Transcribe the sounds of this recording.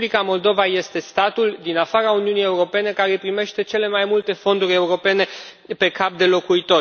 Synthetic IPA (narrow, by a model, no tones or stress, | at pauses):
likamo̞ld̪o̞vaje̞st̪e̞st̪at̪uld̪inafaɾauniunije̞uɾo̞pe̞ne̞kaɾe̞pɾime̞ʃt̪e̞t͡ʃe̞le̞majmult̪e̞fo̞nd̪uɾʲe̞uɾo̞pe̞ne̞ | pe̞kap̚d̪e̞lo̞kuit̪o̞